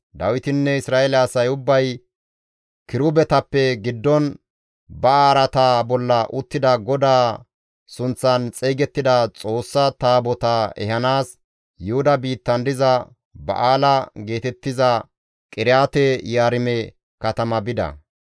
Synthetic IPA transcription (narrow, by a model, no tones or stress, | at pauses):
d̪ɐwɪt̪ɪnːɛɪsɾaːɛlɛɐsɐjʊbːɐj | kɪɾʊbɛt̪ɐpːɛɡɪd̪ːɔn | bɐaːɾɐt̪aːbɔlːɐʔʊt̪ːɪd̪ɐɡɔd̪aː | sʊnt͡sːɐnt͡sʼɛjɡɛt̪ːɪd̪ɐt͡sʼo̞ːsːɐt̪aːbɔt̪ɐɛ̰ɦɐnaːs | jʊhʊd̪ɐbiːt̪ːɐnd̪ɪzɐ | bɐ̰ʔaːlɐɡe̞ːt̪ɛt̪ːɪzɐ | kʼɪɾɪjaːt̪ɛjaːɾɪmɛ | kɐt̪ɐmɐbɪd̪ɐ̰